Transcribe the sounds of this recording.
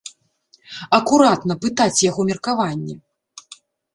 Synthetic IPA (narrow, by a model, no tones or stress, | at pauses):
ɐkuɾat̪nɐpɨt̪at͡sʲjaɣɔmʲɛrkavanʲːɛ